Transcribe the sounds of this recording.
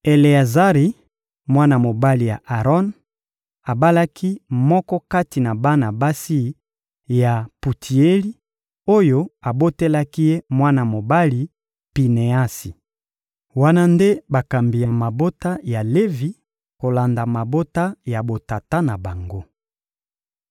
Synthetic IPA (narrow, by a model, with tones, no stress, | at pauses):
e˨le˨a˨za˦ʁi˨ | mwa˦na˨mo˨ba˦li˨ja̰˨ʔa˨ʁɔ˦n | a˨ba˦la˦kʰi˦mɔ˦kɔ˦ka˦ti˨na˨ba˦na˨ba˦si˦ | ja˨pu˨tʰi˨e˦li˦ | o˦jo˦a˨bo˦te˦la˦ki˦je˦mwa˦na˨mo˨ba˦li˨ | pi˨ne˨a˦si˨ | wa˦na˦nde˦ba˨ka˨mbi˨ja˨ma˨bo˦ta˦ja˨le˦vi˦ | ko˨la˨nda˨ma˨bo˦ta˦ja˨bo˨ta˨ta˦na˨ba˨ŋɡo˦